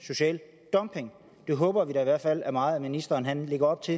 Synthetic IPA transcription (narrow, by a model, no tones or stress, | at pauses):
so̝ɕɛ̰ːl | d̥ɒ̽mpʰe̝ŋ | d̥e̝ɦɔ̽ːb̥ɐʋid̥ɑ̈iʋæɐd̥fæl̰æɐmɑ̈ːð̩ˠæminisd̥ɐːnɦænle̝ɡ̥ɐɒ̽b̥t͡sʰe̝